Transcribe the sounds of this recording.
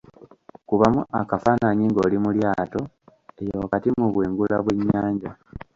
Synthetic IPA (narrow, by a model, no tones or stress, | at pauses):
kuβamuʔakafaːnaɲiŋɡo̞ːlimuljaːto̞ | e̞jokatimuβweːŋɡulaβwe̞ɲːaːɲɟa